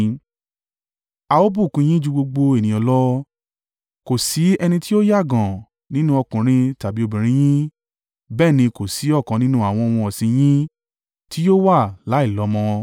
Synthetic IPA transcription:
a˧o˦bu˦˨kũ˧˦j̃ĩ˦d͡ʒu˧ɡ͡bo˧ɡ͡bo˧e˨nĩ˨ɔ̃˨˧lɔ˦ | ko˨si˨˦ɛ˧nĩ˧ti˦o˦ja˦˨ɡɔ̃˨ | nĩ˦nũ˦ɔ˧kũ˨ɾ̃ĩ˧ta˨bi˨˦o˧bĩ˨ɾ̃ĩ˨˦j̃ĩ˦ | bɛː˦˨nĩ˧ko˨si˨˦ɔ˦˨kã˨˧nĩ˦nũ˦a˨w̃ɔ̃˧ɔ˧w̃ɔ̃˧ɔ˨sĩ˧j̃ĩ˦ | ti˦jo˦wa˦˨la˨˦i˦˨lɔ˨˦mɔ̃˧

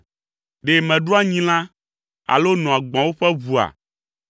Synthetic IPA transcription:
ɖe˨mɛ̃˨ɖu˦a˦ɲĩ˦l̃ã˦ | a̰˨lo˦nɔ̃˨a˨ɡ͡bã˨wo˦ɸɛ˦vu˨a̰˨

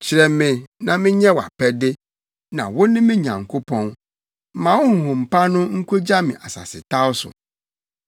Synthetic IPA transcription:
t͡ɕʰɪ˨ɾɛ˨mɪ̃˨nã˨mɪ̃˦ɲɛ̃˦wa̰˨pʰɛ˦dɪ˦ | nã̰˨wʊ˦nɪ̃˦mɪ̃˦ɲã̰˨ŋ̩˨kʰo˦pʰɔ̃˦n˦ | mã˨wʊ˦ŋ̩˨ɦʊ̃˨m̩˨pʰa˦nʊ̃˦ŋ̩˦kʰo˦d͡ʑa˦mɪ̃˨ʔa˨sa̰˨sɪ̰˨tʰa˦ʊ˦sʊ̰˨

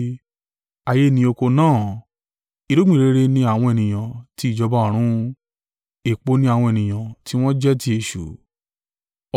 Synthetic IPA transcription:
a˧˨je˧˦nĩ˧o˧ko˧nãː˦˨ | i˧ɾo˦ɡ͡bĩ˦˨ɾe˨˦ɾe˧˦nĩ˧a˦˨w̃ɔ̃˧ɛ˨nĩ˨j̃ã˨ti˨˦i˦˨d͡ʒɔ˧ba˦ɔ̃˨ɾ̃ũ˦ | e˨k͡po˧nĩ˧˦a˧˨w̃ɔ̃˧e˨nĩ˨j̃ã˨ti˦w̃ɔ̃˦d͡ʒɛ˦ti˧˦e˧˨ʃṵ˨˦˨

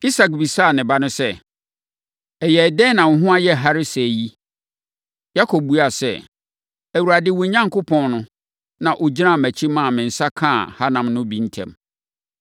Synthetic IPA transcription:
i˦sa˨k̚bi˨sa˦˨nɪ̃˨ba˦nʊ̃˦sɛ˦ | ɛ˨jɛ˨dɛ̃˦nã˨ŋ̩˨˦ɦʊ̃˦a˦jɛ˦ɦa˦ɾɪ˦sji˦ | ja˦kʰo˨bu˦a˨sɛ̰˦˨ | æ˨wu˨ɾa˨dɪ˦wʊ˨ɲã˦ŋkʊ˦pʰɔ̃˦nnʊ̃˦ | nã˨ʔo˨d͡ʑi˦ã˦˨mæ˨t͡ɕʰi˦mã˦˨mɪ̃˨n̩˨sa˦kʰã˦˨ha˦nã˨mnʊ̃˦bĩ˨n̩˦tʰɛ̰̃˨m

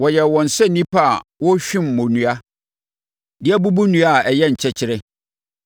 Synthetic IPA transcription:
wɔ˨jɛ˨wɔ̃˨n̩˨sɛ˦˨nĩ˦pʰa˦˨wɔ˦ɕᶣĩ˦mː˨ʊ̃˨nũ˨a˦ | dɪ˦æ˦bu˦bu˦nũ˨˦a˦˨ɛ˨jɛ˦˨ɲ̩˨t͡ɕʰɛ˨t͡ɕʰɪ˦ɾɪ˦

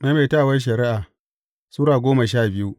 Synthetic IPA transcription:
na˦meː˨ta˦˨wɐ˦nʃ̬ɐ˨ɾi˦ʔaː˨ | suː˦ɾaː˨ɡʷoː˦ma˨ʃaː˦˨bɪ˦ju˦

